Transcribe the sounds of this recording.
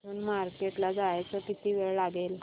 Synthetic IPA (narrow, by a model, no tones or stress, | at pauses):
unmaɾkeʈlad͡zajt͡səkit̪iːʋeɭlaɡel